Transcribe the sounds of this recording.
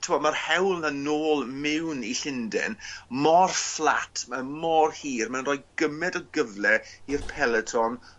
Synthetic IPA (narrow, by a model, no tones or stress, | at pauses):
tʰɪmɔdmarhɛwlˠnanoːlˠmɪwniɬɪndɛ̰nmɔrflˠa̰tʰmamɔrhiːrmanrɔːjɡəmɛdɔɡəvlɛirpʰɛlˠɛtʰɔn